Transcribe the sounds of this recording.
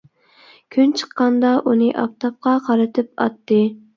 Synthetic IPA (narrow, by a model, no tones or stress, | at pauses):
kʲʰynt͡ʃʰə̥qːɑnd̪ɑʔunɨʔɑ̰p̚t̪ʰɑp̚qʰɑqʰɑɾɨt̪ʰɨpɑ̰t̪ːɨ